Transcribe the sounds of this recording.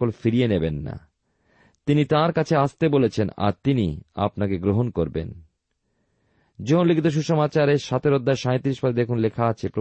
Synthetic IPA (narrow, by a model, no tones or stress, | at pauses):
olfiɾienebenːa̰ | t̪init̪ãɾkat͡ɕʰeast̪ebolet͡ɕʰena̰ɾt̪inia̰pnakeɡɾoɦonkoɾbḛn | d͡ʑoɦonlikit̪oʃ̬uʃɔmat͡ɕaɾeʃat̪ʰeɾod̪ːaeʃãj̃t̪ɾiʃbaɾed̪ekʰunlekʰaat͡ɕʰepɾo